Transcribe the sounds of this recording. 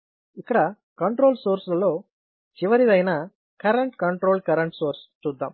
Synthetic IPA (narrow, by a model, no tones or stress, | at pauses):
ikːɐɽɐ | kɐɳʈɾo̞ːlsoːɾslɐloː | t͡ʃiʋɐɾid̪ɐjnaː | kɐɾɐɳʈkɐɳʈɾo̞ːlkɐɾɐɳʈsoːɾst͡ʃuːd̪ːa̰ːm